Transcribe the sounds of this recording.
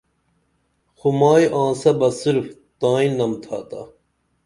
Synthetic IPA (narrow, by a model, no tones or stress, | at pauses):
xumaːjʔãːsɐbɐsiɾft̪aːĩnːɐmt̪ʰa̰ːt̪ɐ̰